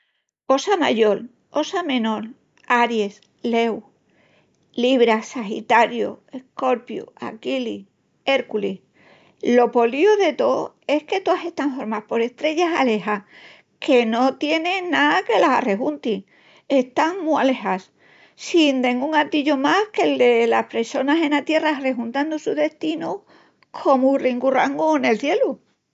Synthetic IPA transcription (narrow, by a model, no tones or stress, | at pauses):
o̞sama̰ʝo̞l | o̞samẽ̞no̞l | aɾje̞s | le̞w | liβ̞ɾasaxḭt̪aɾjo̰e̞hko̞ɾpjo̰a̰kili | e̞ɾkuli | lo̞po̞lioðe̞t̪o̞ | e̞hke̞t̪oase̞st̪aɱfo̞ɾmapo̞ɾe̞ht̪ɾe̞ʝasa̰le̞ha | ke̞not̪je̞nẽnake̞lasa̰re̞ɣunt̪i | e̞ht̪aŋmuale̞has | sind̪ẽ̞ŋɡuŋat̪iʎomahke̞ld̪elahpɾe̞so̞nase̞nat̪je̞rare̞xunt̪and̪usuðe̞st̪inu | kʰo̞muriŋɡuraŋɡune̞lθje̞lu